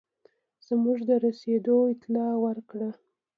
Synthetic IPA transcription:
z̥muʐd̪əɾased̪oɪt̪lɑwəɾkɽə

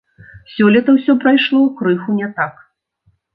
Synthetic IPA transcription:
sʲɔlʲit̪ɐwsʲɔpɾajʂlˠɔukɾɨxunʲɛt̪ak

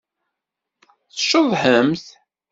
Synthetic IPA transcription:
θəʃoðˤħəmθ

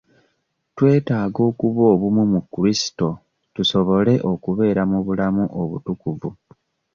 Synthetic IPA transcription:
twe̞ːtaːɡo̞ːkuβo̞ːβumumukuɾisi̥to̞ | tuso̞βo̞le̞ʔo̞kuβe̞ːɾamuβulamuʔoβṵtukuvu

